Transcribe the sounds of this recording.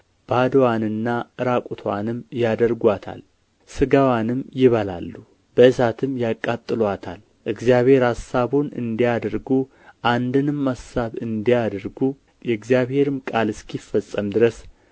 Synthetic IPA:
b̥ad̪wanɨnːaɨɾakʼut̪ʰowa̰nɨmjad̪əɾɡʷat̪ʰa̰l | sɨɡawanɨmjɪβala̰lːu | b̥əɨsat̪ʰɨmːjakʼːat̪ʼːɨlwat̪ʰa̰l | ʔɨɡzjaβhe̞ɾhasːaβonɨ̰nd̪ijad̪əɾɡu | ʔand̪ɨnɨmːasaβɨnd̪ijad̪əɾɡu | jɛɨɡzijaβhe̞ɾɨmkʼalɨskʰifːəsʼːəmd̪ɨɾəs

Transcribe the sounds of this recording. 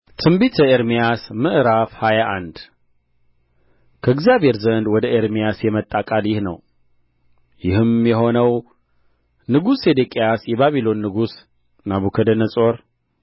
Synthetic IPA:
t̪ʰɨmbit̪ʰjɛeɾmijasmɨʔɾafhajaʔand̪ | kʰəɨɡzijaβe̞ɾzənd̪wɔd̪əʔeɾmijasjɛmət̪ʼːakʼaljɪhnəw | jɪhɨmjɛɦo̞nəw | nɨɡused̪ekʼejasjɛβaβilo̞nːɨɡus | naβukʰəd̪ənəsʼo̞ɾ

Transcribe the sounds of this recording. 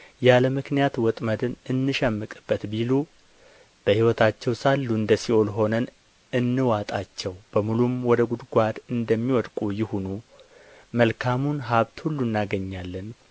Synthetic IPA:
jaləmɨknijat̪wɔt̪ʼməd̪ɨnʔɨnːɨʃɛmːɨkʼɨb̥ːət̪bilu | b̥əhiwɔt̪ʰat͡ʃːɛwsalːuɨnd̪əsio̞lɦo̞nən | ɨnːɨwat̪ʼat͡ʃːɛwb̥əmulumwɔd̪əɡud̪ɡʷad̪ɨnd̪əmːiwɔd̪kʼujɪhunu | məlkʰamunɦaβt̪hulːunːaɡəɲːalːən

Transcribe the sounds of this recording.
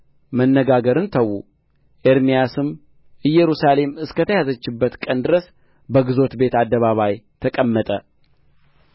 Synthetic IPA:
mənːəɡaɡəɾɨnt̪ʰəwːṵ | ʔeɾmijasɨm | ɨjːɛɾusale̞mɨskʰət̪ʰəjazət͡ʃːɪbːət̪kʼənd̪ɨɾəs | bəɡɨzo̞t̪be̞t̪ad̪ːəβaβajt̪ʰəkʼəmːət̪ʼə

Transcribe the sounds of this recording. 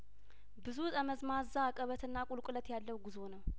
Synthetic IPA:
bɨzut̪ʼəməzmazːaːkʼəβət̪ɨnːakʼʊlkʼɨlət̪jalːəwɡɨzo̞nəw

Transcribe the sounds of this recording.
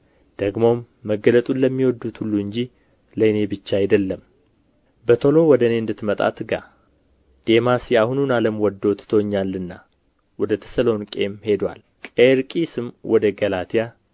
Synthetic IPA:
d̪̥əɡmo̞mːəɡələt̪ʼunləmːiwɔd̪ːut̪hulːuɨɲd͡ʒi | ləjne̞bɨt͡ʃːaajd̪əlːəm | bət̪ʰo̞lo̞wɔd̪əne̞ɨnd̪ɨt̪ːmət̪ʼa̰t̪ɡa̰ | d̪̥e̞masjɛahununaləmwɔd̪ːo̞t̪t̪ʰowɲːalːɨnːa | wɔd̪ət̪ʰə̥səlo̞nkʼe̞mhe̞d̪wa̰l | kʼeɾkʼisɨmwɔd̪əɡəlat̪ʰija

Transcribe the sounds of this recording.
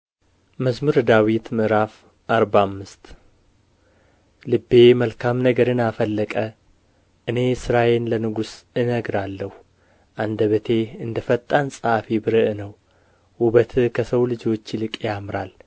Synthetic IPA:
məzmuɾd̪awit̪mɨɾaf | ʔaɾbamːɨst̪ | lɨbːe̞məlkʰamnəɡəɾɨnafəlːəkʼə | ʔɨne̞sɨɾajenlənɨɡusɨnəɡɾalːəhu | ʔand̪əβət̪ʰe̞ɨnd̪əfət̪ʼːansʼəafibɨɾɨʔnəw | ʔuβət̪ʰkʰəsəwlɨd͡ʒo̞t͡ʃːlɨkʼjamɾal

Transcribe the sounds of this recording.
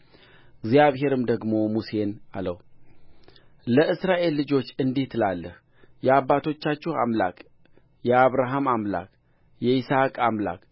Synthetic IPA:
ɡzjaβɦe̞ɾɨmd̪əɡmo̞muse̞na̰ləw | ləɨsɾaʔe̞lːɨd͡ʒo̞t͡ʃːɨnd̪iht̪ʰɨlalːəh | jɛabːat̪ʰo̞t͡ʃːat͡ʃːɪha̰mla̰kʼ | jɛaβɾaɦamamla̰kʼ | jɛisakʼamla̰kʼ

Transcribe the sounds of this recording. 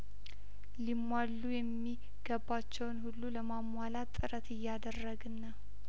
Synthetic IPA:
limːwalːujɛmːi | ɡ̥əbat͡ʃːɛwnhulːuləmamwalat̪ʼːɨɾət̪ʰɨjːad̪ərːəɡɨnːəw

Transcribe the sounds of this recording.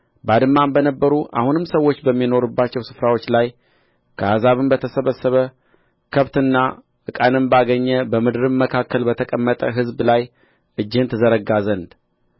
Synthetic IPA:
bad̪ɨmːambənəbːəɾuʔa̰hunɨmsəwːo̞t͡ʃːbəmːino̞ɾubːat͡ʃːɛwsɨ̥fɾawo̞t͡ʃːlaj | kʰəhazaβɨmbət̪ʰəsəβəsəβə | kʰəβt̪ɨnːa | ʔɨkʼanɨmbaɡəɲːɛbəmɨd̪ɨɾɨmːəkʰakːəlbət̪ʰəkʼəmːət̪ʼəɦɨzblaj | ʔɨd͡ʒːɪɨnt̪ʰɨzəɾəɡazənd̪

